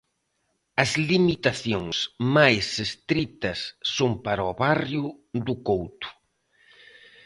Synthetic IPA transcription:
ɐzlimit̪aθjoŋsmajsest̪ɾit̪ɐsːompaɾɔβarjʊd̪ukowt̪ʊ̥

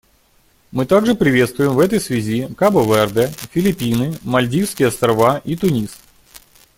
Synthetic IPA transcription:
mɨt̪aɡʐɨpɾʲɪvʲe̞t̪st̪vʊjɪmvɛt̪əjsvʲɪzʲikabəvɛrd̪ɛfʲɪlʲɪpʲinɨmɐlʲdʲifskʲɪjɐst̪ɾɐvaʔit̪ʊnʲis

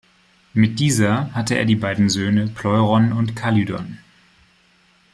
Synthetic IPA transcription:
mɪt̚d̥iːzɐhatəʔḛːɐdiːbaɪdn̩zøːnəpʰl̥ɔʏʁɔnʊntkʰalidɔ̰n

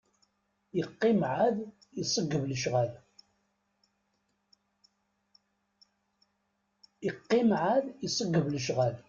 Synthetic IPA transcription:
iqːimʕað | isˤəɡːəvləʃʁæl | iqːɪmʕaðisˤəɡːəvləʃʁæl

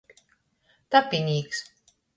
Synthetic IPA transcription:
t̪apʲinʲiːks

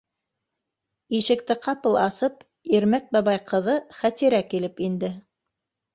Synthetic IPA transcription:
iʃɘ̆k̚t̪ɘqɑpɤlˠɑsɤp | iɾmæk̪̚bɑβɑjqɤ̆ðɤχæt̪iɾækilɘpind̪ɘ

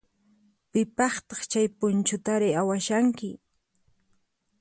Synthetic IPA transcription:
pɪpɑχt̪ɑχt͡ʃajpʊnt͡ʃʊt̪aɾɪawaʃaŋkɪ

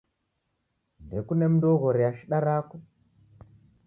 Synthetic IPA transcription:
ndekunem̩dɔɣɔɾɛaʃiɗaɾakɔ

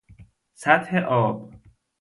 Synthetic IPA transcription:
sæt̪heʔɒːb

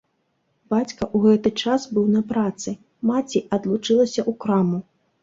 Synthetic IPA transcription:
b̥at͡sʲkɐʔuɣɛt̪ɨt͡ʂasbɨwnɐpɾat̪sɨ | mat͡sʲiʔɐd̪lˠut͡ʂɨlˠɐsʲɐʔukɾamu

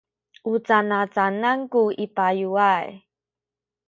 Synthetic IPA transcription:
ʔut͡sanat͡sanaŋkuipajuaj

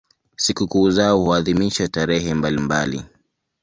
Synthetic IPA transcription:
sikukuːzaɔhuaðimiʃataɾɛɦɛmbalimbalḭ

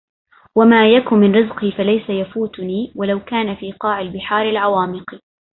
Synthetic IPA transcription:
wamaːjakʊmmɪnɾɪzqifalajsajafuːt̪niːwalawkaːnafiːqɑːʕɪlbɪħaːɾalʕawaːmɪq

